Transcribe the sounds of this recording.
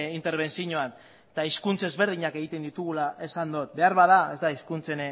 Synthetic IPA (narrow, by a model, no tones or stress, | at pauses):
int̪e̞ɾβ̞e̞nt͡siɲoan | t̪aiskunt͡se̞zβe̞ɾð̞iɲake̞ɣit̪e̞nd̪it̪uɣ̞ulaʔesand̪ot̪̚be̞aɾβaðae̞zd̪aiskunt͡se̞n